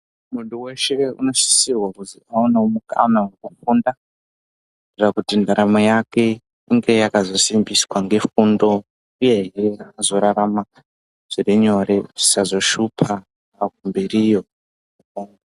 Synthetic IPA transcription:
munduwe̞ʃe̞ṵno̞ʃi̥sirwakuziaunaumuka̰nawekufunda | rirakutindaɾamojake̞ | iŋɡe̞jakazo̞simbiswaŋɡe̞fundo̞ | uje̞ɦeazo̞ɾaɾama | ʐ̥iriɲo̞ɾeʐisazoʃupʰaː | k̚umberijo | ukoːŋo

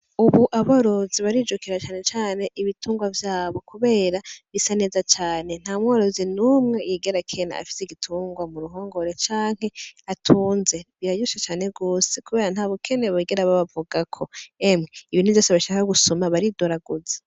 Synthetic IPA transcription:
uβuʔaβoɾoziβaɾid͡ʒokiɾat͡ʃaːne̞t͡ʃaːne̞ʔiβituːŋɡwavjaːβo̞kuβe̞ːɾaβisane̞ːzat͡ʃaːne̞n̥haːmwoɾozinuːmŋe̞jiɡe̞ɾakʰe̞na̰a̰fi̥seɡitʰuːŋɡwamuɾuɦoːŋɡo̞ɾe̞t͡ʃaːŋhe̞atʰuːnze̞βiɾajuʃet͡ʃaːne̞ɡoːsekuβe̞ːɾanhaːβokʰe̞neβoiɡeɾaβaβavuɡakʰo̞emŋeiβiːn̥uvjo̞ːseβaʃakaɡusomaβaɾidoɾaɡuze̥

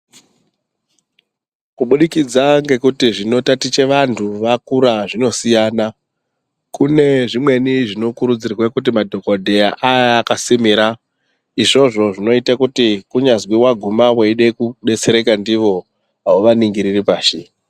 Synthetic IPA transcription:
kuɓuɗikid͡zaŋɡe̞kutiʐino̞tatit͡ʃe̞ʋantʰuʋakuɾaʐino̞sijana | kune̞ʐimwe̞niʐino̞kuɾud͡zirwakut̬imadʱo̞kodʱe̞aʔajːkasimiɾa | iʐo̞ʐo̞ʐino̞itakutikuɲazwiwaɡʱumaweiɗekuɗe̞t͡se̞ɾe̞kandiʋo̞ | ɦaoʋaniŋɡiɾiripaːʃi

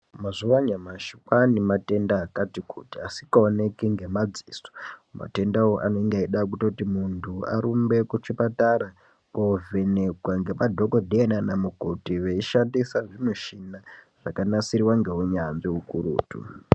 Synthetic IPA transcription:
mazuwaɲamaʃikanimate̞ndaːkatikutiasikaone̞kiŋɡe̞mad͡ziːso̥ma̰te̞ndaoʔanoŋɡeiɗak̬uto̞timuntʰua̰ɾumbe̞kut͡ʃipataɾa | pove̞ne̞ɡwaŋɡe̞madʱokodʱeenanamukotiʋeiʃandisaʐinuʃinaʐ̥akanasiɾiwaŋɡe̞ɦuɲanʐiɦukuɾṵːtṵ

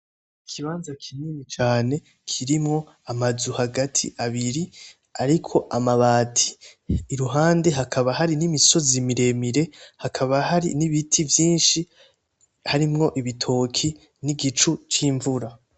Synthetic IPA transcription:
ikʰiβaːnzakʰinimit͡ʃaːne̞ | kʰiɾimŋo̞ | amazuhaɡatʰḭʔaβiɾi | aɾikʰo̞ʔamaβaːtʰi̥ːɾuɦaːnde̞ɦakʰaβahaɾinimiso̞zimiɾe̞miɾe̞hakʰaβahaɾḭniβitʰivjiːnʃi | haɾimŋo̞ʔiβitʰo̞ːkʰi | niɡit͡ʃut͡ʃiːɱvuɾa

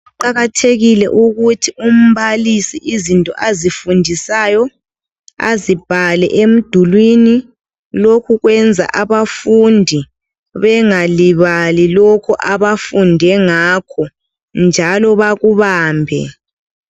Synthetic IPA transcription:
ǃaɣatʰeɣilɛ̰ʔuɣutʰium̩βalisiʔizintʼɔ̰ʔazifundʱisajɔ | a̰zib̥ʱalɛ̰ʔem̩d̥ʱulwini | lokʰuɣwɛnd͡zʱa̰ʔaβafundʱi | βɛŋaliβalilɔkʰuʔaβafundʱɛŋakʰɔ | nd͡ʒʱalɔβaɣuβaːmbʱɛ̰

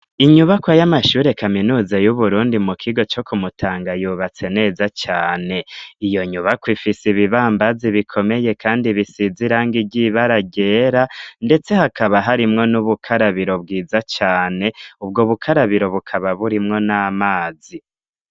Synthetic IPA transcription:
iɲuβakwajamaʃuːɾe̞kaminuːzajuβuɾuːndimukʰiɡo̞t͡ʃo̞kʰumutʰaːŋɡajuːβat͡se̞ne̞ːzat͡ʃaːne̞ijo̞ɲuβakwifisiβiβaːmbaziβikʰo̞me̞je̞kaːndiβisiziɾaŋɡiɟiβaɾaɟe̞ːɾande̞t͡se̞hakʰaβaɦaɾimŋo̞nuβukʰaɾaβiɾo̞b̚ɡiːzat͡ʃaːne̞ub̚ɡoβukʰaɾaβiɾo̞βukʰaβaβuɾimŋo̞naːmaːzi

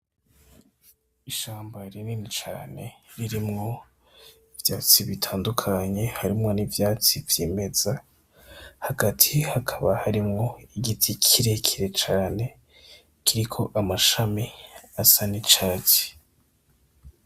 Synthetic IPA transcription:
iʃaːmbaɾininit͡ʃa̰ːne̞ɾiɾimŋo̞ | ivjaːt͡siβitʰaːndukʰaɲe̞haɾimŋo̞nivjaːt͡sivjeːme̞z̥a | haɡatʰihakʰaβahaɾimŋo̞iɡitʰikʰiɾekʰiɾe̞t͡ʃaːne̞ | kʰiɾikʰo̞ʔamaʃamiasanit͡ʃaːt͡si̥

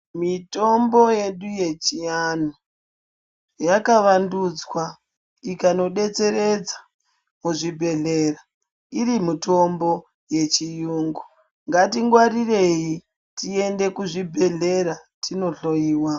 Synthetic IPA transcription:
mito̞mbo̞je̞ɗuje̞t͡ʃianu | jakaʋandud͡zwa | ikano̞ɗe̞t͡se̞ɾe̞d͡zḁ | muʐibʱe̞ɮe̞ra | iɾimuto̞mbo̞ | je̞t͡ʃijuːŋɡu̥ | ŋɡatiŋɡwaɾire̞ji | tie̞nde̞kuʐibʱe̞ɮe̞ɾatino̞ɬo̞jiːwa

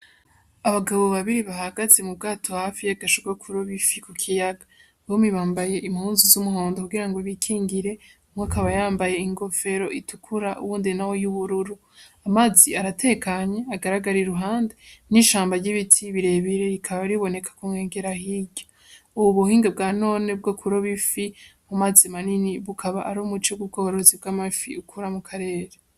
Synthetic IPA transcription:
aβaɡaβo̞βaβiɾiβaɦaɡaze̞mub̚ɡaːtʰo̞haːfijaɡaʃoɡakʰuɾoβifikukʰijaɡa | βomiβaːmbaje̞ʔimhuːnzuzumuɦoːndokuɡiɾaŋɡoβikʰiːŋɡiɾe̞umwakaβajaːmbaje̞iŋɡo̞fe̞ɾo̞ʔitukʰuɾaʔṵβuːndinawo̞juβuɾuɾu | amaːziaɾatʰe̞ːkaɲe̞aɡaɾaɡaɾiɾuɦaːndeniʃaːmbaɾɟiβitʰiβiɾe̞ːβiɾe̞ɾikʰaβaɾiβo̞ne̞kʰḁkumŋeːŋɡe̞ɾaɦiɟo | uuβuhiːŋɡab̚ɡaːno̞ːne̞b̚ɡokʰuɾoβifimumazimaniniβukʰaβaʔaɾomut͡ʃoɡub̚ɡoːhoɾo̞zib̚ɡamafḭukʰuɾamukʰaɾe̞ːɾe

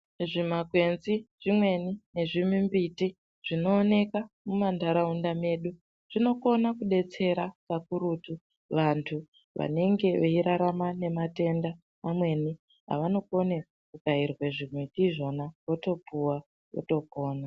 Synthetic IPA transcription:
ʐimakwe̞nziʐ̥imwe̞nine̞ʐimimbiti | ʐ̥ino̞ːne̞ka | mumandaɾaundame̞ɗu | ʐ̥ino̞ko̞nakuɗe̞t͡se̞ɾakakuɾutu | ʋantʰu | ʋʔa̰ne̞ŋɡe̞ʋeiɾaɾamane̞mate̞ndaː | mwe̞ni | ɦa̰ʋano̞ko̞ne | kukairwe̞ʐimweɗiʐo̞naʋoto̞puwa | o̰to̞koːna

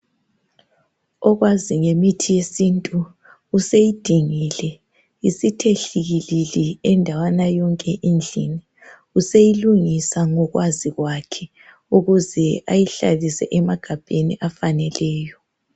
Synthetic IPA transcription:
ɔɣwaziŋemitʰijesintʼuː | sejid̥ʱiŋilɛ | isitʰeɬiɣililiɛndʱawanajɔŋkʼɛʔind͡ɮʱḭni | usejiluŋisaŋɔɣwʔaziɣwakʰɛ | uɣuzɛa̰jiɬa̰lisɛ̰ʔɛmaɡ̥ʱab̥ʱeniʔafanɛlɛːjɔ

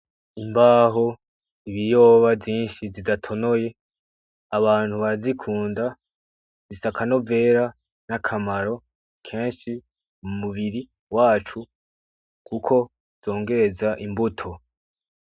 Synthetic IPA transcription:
imbaːɦo̞ | iβijo̞ːβavjiːnʃizidatʰo̞no̞je̞ | aβaːn̥huβazikʰuːnda | zisakʰano̞ve̞ːɾa | nakʰamaɾo̞ | kʰe̞ːnʃi | mumuβiɾi | waːt͡ʃu | kʰukʰo̞̥ | z̥o̞ːŋɡe̞ɾe̞zaʔimbutʰo̞

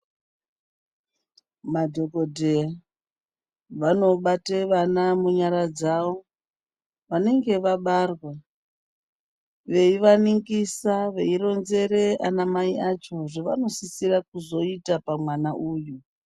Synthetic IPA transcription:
madʱokodʱeja | ʋano̞ɓateʋanamuɲaɾad͡zaʋo̞ | ʋane̞ŋɡe̞ʋaɓarwe | ʋe̞iʋaniŋɡisaʋe̞iro̞nze̞re̞anamaiʔat͡ʃo̞ʐeʋa̰no̞sisirak̚uzo̞itapamwanaʔuːju

